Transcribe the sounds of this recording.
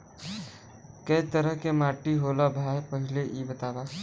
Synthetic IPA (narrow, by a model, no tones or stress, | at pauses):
kɐit̪əɾəɦkemaːʈːiɦoːlabʱaːepəɦɪleʔibət̪aːba